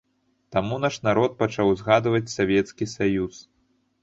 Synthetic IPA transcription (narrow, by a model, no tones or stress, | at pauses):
t̪amun̪aʂnaɾɔt̪̚pat͡ʂawzɣad̪vɐt͡sʲsavʲɛt̪skʲisajus